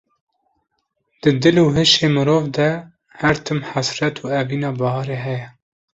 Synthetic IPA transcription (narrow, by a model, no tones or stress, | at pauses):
d̪̥ɨd̪ɨluːɦɨʃeːmɨɾoːvd̪ɛ | hæɾt̪ʰɨmħasɾɛt̪ʰuːɛviːnɑːbɑhɑːɾeːɦɛjɛ